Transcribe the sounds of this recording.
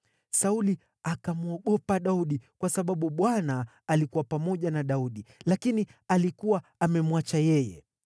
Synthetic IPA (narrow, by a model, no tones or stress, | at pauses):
sauli | akamuɔɠɔpaɗauɗikwasaɓaɓuɓwanaː | likuwapamɔʄanaɗauɗilakinialikuwaːmɛmwat͡ʃajɛjɛ̰